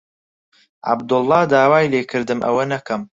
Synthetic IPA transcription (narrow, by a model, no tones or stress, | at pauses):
ʕa̰bd̪ʊlˠːɑːd̪aːwaːjleːkʰɨɾd̪ɨmʔɐ̰wɐnɐkʰɐm